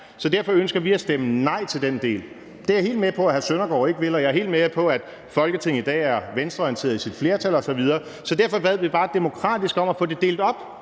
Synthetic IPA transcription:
sɒ̽d̥æɐfɒ̽ønsɡ̥ɐʋiæsd̥emənɑ̈ɪ̰t͡sʰe̝ld̥end̥e̝̰ːl | d̥e̝æhe̝̰ːld̥mepʰɒ̽æhæsønɐɡ̥ɒ̰ːe̝ɡ̥ʋe̝lɒjɑ̈æɐɦe̝̰ːld̥mepʰɒ̽æd̥ | fɒ̽lɡ̥ət͡sʰe̝ŋ̰̩id̥ɛ̰ːæɐʋensd̥ʁɐɒjint͡sʰe̝̰ɐðˠisid̥fle̝ːɐt͡sʰælɒ̽sɒ̽ʋið̞ˠɐː | sɒ̽d̥æɐ̰fɒ̽b̥æð̞̰ˠʋib̥ɑ̈ːd̥e̝mo̝kʰʁɑ̰̈ːd̥isɡ̥ɒ̽mæfɔ̰̽ːd̥e̝d̥e̝̰ːld̥ɒ̽b̥̚

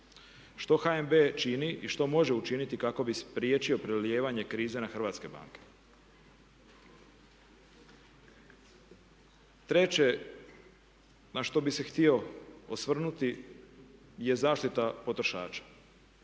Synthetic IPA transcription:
ʃt̪o̞xaembet͡ʃiniʔiʃt̪o̞mo̞ʒe̞ut͡ʃinit̪ikako̞bispɾjeːt͡ʃio̞pɾelje̞ːʋaɲe̞kɾiːze̞naxrʋaːt̪ske̞ba̰ːŋke̞̥ | t̪ɾe̞t͡ɕe | naʃt̪o̞bise̞xt̪io̞osʋr̩nut̪i | je̞zaːʃt̪it̪apo̞t̪ɾo̞ʃa̰ːt͡ʃḁ

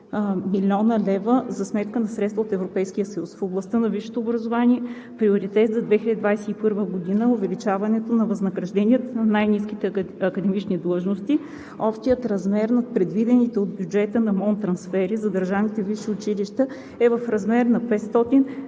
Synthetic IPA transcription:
milʲɔnəlɛvəzɐsmɛt̪kənɐsɾɛt̪st̪vəot̪ɛvɾopɛjsk̟ijəsɐjusfoblˠɐst̪ənɐvifʃɛ̥t̪oːbɾɐzovaniɛ | pɾioɾit̪ɛt̪zɐd̪vɛxilʲəd̪id̪vajsɛipɤɾvəɡod̪inəʊvɛlit͡ʃavɐnɛt̪onɐvɐznəɡɾɐʒd̪ɛniət̪nɐnajnisk̟it̪ɛɐkəd̪ɛmit͡ʃnid̪lˠɤʒnost̪i | ɔpʃt̪ijət̪ɾɐzmɛɾnɐt̪̚pɾɛd̪vid̪ɛnit̪ɛod̪̚bjud͡ʒɛt̪ənɐmɔnt̪ɾɐnsfɛɾizɐd̪əɾʒavnit̪ɛviʃiʊt͡ʃiliʃt̪ə | ɛvəfɾɐzmɛɾnɐpɛt̪st̪ɔt̪in

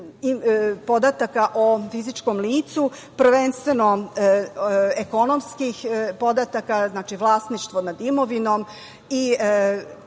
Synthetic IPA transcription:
ipod̪at̪akaʔofizit͡ʃkomliːt̪su | pr̩ʋe̞nst̪ʋeno | eko̞nomskixpo̞d̪at̪akaznaːt͡ʃiʋlˠaːsniʃt̪ʋonad̪imoʋino̞m | i

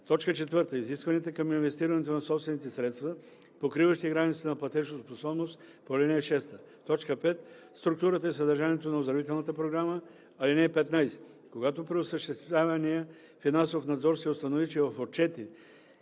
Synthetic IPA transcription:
t̪ɔt͡ʃkət͡ʃɛt̪vəɾt̪əiziskvɐniɛt̪əkəminvɛst̪iɾɐnɛt̪onɐsɔpst̪vɛnit̪ɛsɾɛt̪st̪və | pokɾivəʃt̪iɡɾanit̪st̪ənɐplˠɐt̪ɛʃnosposɔbnost̪ | polɛnɛɛʃɛst̪ə | t̪ɔt͡ʃkəpɛt̪ | st̪ɾʊk̚t̪uɾət̪əɛsɐd̪ɐɾʒaniɛt̪onɐozd̪ɾvit̪ɛlˠnət̪əpɾoɡɾamə | ɐlinɛːpɛt̪najsɛ̥ | koɡat̪opɾɛosəʃt̪ɛst̪vʲavɐniə | finansofnɐd̪zɔɾsʲiost̪ɐnovit͡ʃiəvɐfot̪̚t͡ʃɛt̪i

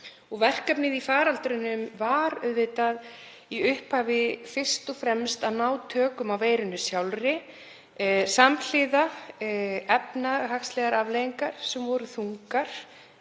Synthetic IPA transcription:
ɔɣvɛr̥kapnɪðifaːɾalt̪ɾɪnːʏmvaɾʏðvɪt̪að | iʏhphaːvɪfɪr̥st̪ɔfɾɛmst̪aðnaːwt̪ʰœːkʏmawveːjɾʏnːʏsjawlɾɪ | saml̥ɪːða | ɛpnaɦakslɛɣaɾavlejiŋkaɾ̥sɛmvɔɾʏθuŋkaɾ̥

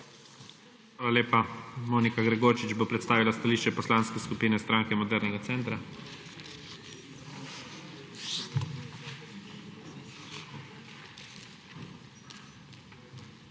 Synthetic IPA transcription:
xʋaːlaleːpamoːnikaɡɾɛɡoːɾt͡ʃid͡ʒbopɾɛt̪st̪aːʋilast̪aliːʃt͡ʃɛpɔslanskɛskupiːnɛst̪ɾaːŋkɛmɔd̪ɛɾnɛɡat̪sɛnt̪ɾa

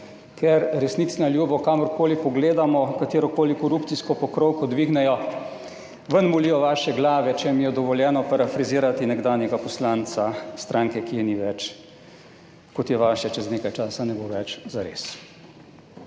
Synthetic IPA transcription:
kʰɛɾɾɛsnit̪snaljuːbɔkaːmɔɾkoːlipɔɡleːd̪amɔkat̪eːɾɔkoːlikɔɾuːpt̪siskɔpɔkɾowkɔd̪ʋiːɡnɛjɔ | ʋənmuliːjɔʋaːʃɛɡlaːʋɛt͡ʃɛmijɛd̪ɔʋɔljɛːnɔpaɾafɾiziːɾat̪inɛɡd̪aːnjɛɡapɔslaːnt̪sast̪ɾʔaːŋkɛkijɛniʋɛt͡ʃ | kɔt̪jɛʋaːʃɛt͡ʃɛzneːkajt͡ʃaːsanɛboʋɛt͡ʃzaɾḛːs

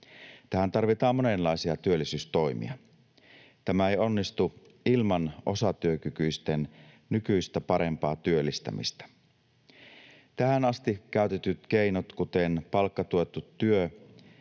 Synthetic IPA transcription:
t̪æhænt̪ɑrʋit̪ɑːmmo̞ne̞nːɑisiɑt̪yølːˑisyːst̪o̞jmḭɑ | t̪æmæejo̞nːist̪u | ilmɑnʔo̞sɑt̪yøkykyist̪en | nykyist̪æpɑɾe̞mpɑːt̪yølːˑist̪æ̰mḭst̪æ̥ | t̪æhænɑst̪ik̟æˑyt̪et̪yt̪k̟einot̪kut̪enpɑlkːɑt̪uet̪ːut̪ːyø

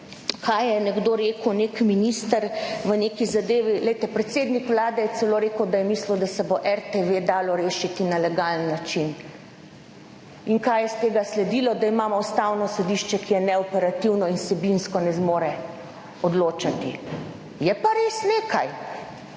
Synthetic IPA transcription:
kʰajjɛnɛɡd̪oːɾeːkəwneːkminist̪əɾʋəneːkizad̪eːʋilɛjt̪ɛpɾɛt̪seːd̪nikʋlaːd̪ɛjɛt̪sɛloːɾeːkəwd̪ajɛmisləwd̪asɛboʔɛɾt̪eʋed̪aːlɔɾeːʃit̪inalɛɡalnːat͡ʃin | iŋkajɛst̪eːɡaslɛd̪ilɔd̪aimaːmɔust̪aːwnɔsɔd̪iʃt͡ʃɛkijɛnɛɔpɛɾat̪iwnɔinsɛbinskɔnɛzmoːɾɛ | ɔd̪loːt͡ʃat̪i | jɛpaɾeːsneːkʰaj

